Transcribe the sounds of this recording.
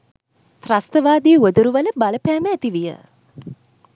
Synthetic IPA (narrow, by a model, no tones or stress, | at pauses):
t̪rast̪əʋaːd̪iːuəd̪uɾuʋələbaləpæːməːt̪iʋijə̰